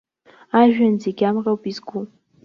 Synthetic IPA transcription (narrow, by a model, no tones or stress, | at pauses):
aʒᶣanzeɡʲamrawpizɡʷu